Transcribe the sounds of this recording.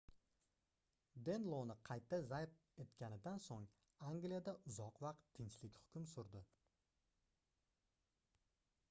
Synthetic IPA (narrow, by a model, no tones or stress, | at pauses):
d̪e̞nlˠownɪqʰɑjt̪ʰːazajp̚ | e̞t̪kʲanɪd̪ansoŋ | aŋɡlijad̪aʔʊzɒqvɑq̚t̪ʰːɪɲt͡ʃlɪkʲhʊ̥kʲʊmsʊɾd̪ɪ